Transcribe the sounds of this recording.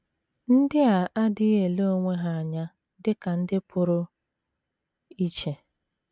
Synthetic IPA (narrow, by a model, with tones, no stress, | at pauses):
n̩˦dɪ˦a˨ʔa˦dɪ˦e˨lo˦o˦˨ŋʷe˦ɦa˨a˨ɲa˦ | dɪ˦ka˨n̩˦dɪ˦pʰʊ˦ɾʊ˦ | i˦t͡ʃe˨